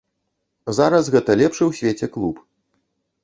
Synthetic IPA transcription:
zaɾɐsɣɛt̪ɐlʲɛpʂɨwsʲvʲet͡sʲɛklˠup

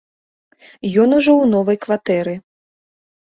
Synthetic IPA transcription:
jɔnuʐɔwnɔvɐjkvat̪ɛɾɨ

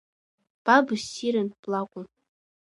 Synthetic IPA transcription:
b̥abɨsiɾɨnpʼlakʷʼʊn

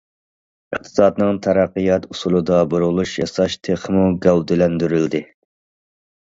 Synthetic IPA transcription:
ɨχ̚t̪ʰɨ̥sɑːd̪nɨŋt̪ʰæɾæqːijɑt̪usulˠɨd̪ɑboɾulˠuʃjɑsɑʃt̪ʰeχmuɡʲæwd̪ɪlɛnd̪yɾyld̪ɪ

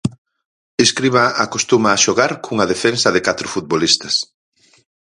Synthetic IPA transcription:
eskɾiβɐakost̪umɐːʃoɣaɾkʰuŋɐðefensɐðɪkat̪ɾʊfut̪̚βolist̪ɐs

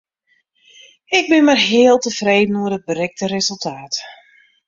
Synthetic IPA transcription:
ɪɡ̚bɪnmarɦeːəlˠtəfreːdən̩uərdət̚bərɛk̚tərezəlˠtʰaːt

